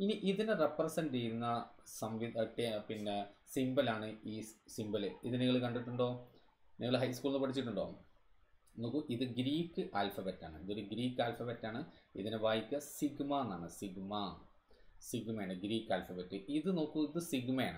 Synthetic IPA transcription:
iniʔiðinerepːrɐsɐndɨt͡ɕejɾunːɐsɐmʋiʈepinːesimbɐlaːɳɨiːsimbɐleiðɨniɣɐɭkɐɳɖiʈːuɳɖo̞ː | niŋːɐɭɦɐjskuːɭnupɐʈʰit͡ɕːiʈːuɳɖo̞ː | no̞ːkːuʔiðɨɡɾiːkːɨʔaːlfɐbetːa̰ːɳɨiðo̞ɾuɡɾiːkːaːlfɐbetːaːɳɨiðinebaːjikʲːɐsiɡmɐːnːaːɳɨsiɡmɐ | siɡmɐjaːɳɨɡɾiːkːaːlfɐbetːɨʔiðɨno̞ːkːuiðɨsiɡmɐja̰ːɳɨ

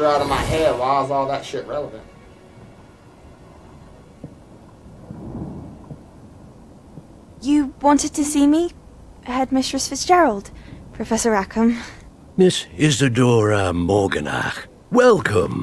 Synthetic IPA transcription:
aʊɾəvmaɪɦɛːwaɪlzɔlˠðətʃɪʔɹɛlˠəvə̰̃nt | jəwɒ̃ntɪd̚tʰəsiːmi | həd̚mɪstɹ̥əsfɪsd̥ʒ̥ɛɹəlˠd̥pʰɹ̥əfɛsəɹakʰə̃m | mɪsɪzðɨdɔːɹəmɔːɡə̰̃na̰x | wɛlˠkʰə̰̃m

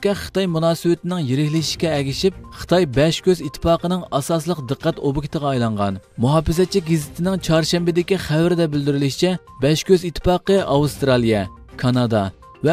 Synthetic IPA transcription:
kʲɛχə̥t̪ɑjmunɑːsɨwɪt̪ɪnɪŋjeɾɪkʲlɪʃi̥ʃkʲɛɛɡʲiʃip̚χə̥t̪ʰɑjbɛʃkʲʰøzit̪ʰːɪ̥pɑːqənɨŋɑsɑslˠəqd̪ɨqːæt̪obɨkʰʲi̥t̪əʁɑːjlˠɑɴʁɑ̰nmuɦɑːpɪzɛt͡ʃʰːɪk̚ʲɡizɪt̪ʰɪnɪŋt͡ʃʰɑɾʃɛmbɪd̪ɪkʲiχæwɾɪd̪ɛbɪld̪yɾɪlɪʃt͡ʃʰɛbɛʃkʲøzit̪ʰːɪ̥pɑːqəʔɑwust̪ɾɑlˠijɛ | kʰɑnɑd̪ɑ | vɛ

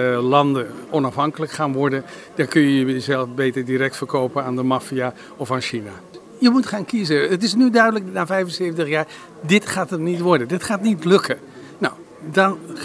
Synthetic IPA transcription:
lɑndəɔnɑfɦɑŋkələkχaːnʋɔɹdəd̥ɔkɵnjəjəəzɛlˠfbeːtəɹdirɛk̚tfəɹkoːpənaːndəmafia | ɔfaːnʃina | jəmutχaːnkizəətɪsnydœɥdələk̚naːfɛjvənsevəntəχjaːɹ | dɪtχaːtətnitʋɔɹdəndɪtχaːtnitlɵkʰə | nɔw | dɑn

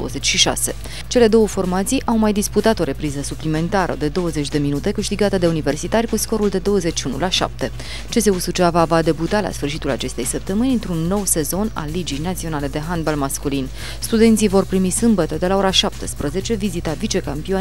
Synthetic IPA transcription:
o̰ə̰zet͡ʃʲʃiʃa̰se̞̰ | t͡ʃe̞le̞d̪o̞wəfo̞rmat̪sijʔawmajd̪isput̪at̪o̞ɾe̞pɾizəsuplime̞nt̪aɾə̰d̪e̞d̪o̞wəze̞t͡ʃʲd̪e̞minut̪e̞kɨʃt̪iɡat̪əd̪e̞unive̞rsit̪arʲkusko̞ɾuld̪e̞d̪o̞wəze̞t͡ʃʃiunṵlaʃa̰p̚t̪e̞ | t͡ʃe̞se̞usut͡ʃavavad̪e̞but̪ala̰sfɨrʃ̬it̪ula̰t͡ʃe̞st̪e̞jsəp̚t̪əmɨnʲɨnt̪ɾunːo̞wse̞zo̞na̰lːid͡ʒijnat̪sio̞nale̞d̪e̞ɦand̪balmaskulin | st̪ud̪e̞nt̪sijvo̞rpɾimisɨmbət̪əd̪e̞lao̞ɾaʃap̚t̪espɾəze̞t͡ʃe̞vizit̪avit͡ʃe̞kampio

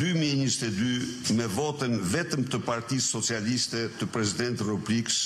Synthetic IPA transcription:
d̪ymiɛɲəst̪ɛd̪ymɛvɔt̪ənvɛt̪əmt̪əpaɾt̪isːɔt͡sialist̪ɛt̪əpɾɛsid̪ɛnt̪rupublikəs

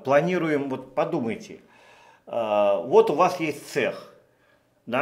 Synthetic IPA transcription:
plˠɐnʲiɾʊjɪmvo̞t̪pɐd̪uməjtʲɪ̰ | vo̞t̪ʊvasjesʲtʲt̪sɛx | d̪a

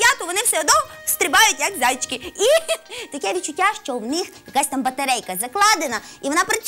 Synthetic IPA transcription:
jat̪ʊʋɔnɪwsɛɔd̪nɔst̪ɾɪbɑjʊtʲjɐkzʲajt͡ʃkɪit̪ɐkɛʋʲit̪̚t͡ʃʊtʲːaʃt͡ʃɔwnɪxjɐkasʲt̪ambɐt̪ɐɾɛjkɐzɐklˠɑd̪ɪnɐiʋɔnapɾɪt͡ʃ

